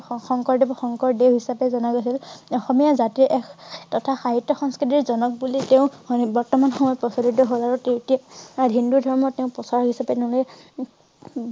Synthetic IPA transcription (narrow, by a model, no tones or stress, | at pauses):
xɔŋkɔɹdibɔxɔŋkɔɹdeɦisapɛzɔnaɡojsilɔxɔmijazatiɹʔɛkʰtɔtʰaxaɦitːɔxɔŋskɹit̬iɹzɔnɔk̚buliteʊ̃bɔɹtɔmanxɔmɔjɔpɹɔsɔlidɔɦɔzaɹɔtetijaaɹɦindudʱɔɹmɔtẽʊ̃pɔsaɹɦisapɛteʊ̃loj